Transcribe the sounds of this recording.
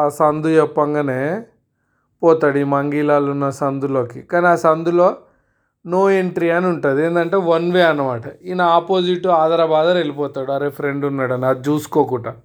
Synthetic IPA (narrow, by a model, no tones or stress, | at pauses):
aːsɐnd̪ujɛpːɐŋɡɐneː | pɔːt̪aːɽimɐŋɡilaːlunːɐsɐnd̪uloːkikaːniaːsɐnd̪uloː | noːeɳʈɾiɐniuɳʈɐːd̪ieːnd̪ɐɳʈe̞ːʋɐnʋeːɐnːɐmaːʈɐinːɐaːpoːd͡ʒiʈːuaːd̪ɐɾɐbaːd̪ɐnelipɔːt̪aːɽuɐɾepʰɐɾeɳɖunːaːɽɐnaːd͡ʒuːsu̥koːkuːʈɐ